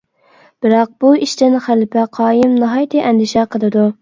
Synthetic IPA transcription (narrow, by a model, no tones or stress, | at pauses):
b̥ɪɾɑq̚b̥uiʃt̪ɪnχælɪpʰɛqʰɑːjɪmnɑɦɑjt̪ʰɨʔɛnd̪ɪʃɛqʰəlˠɨd̪u